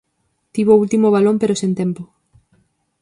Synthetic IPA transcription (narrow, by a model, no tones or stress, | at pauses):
t̪iβoult̪imoβalõmpeɾosẽnt̪empo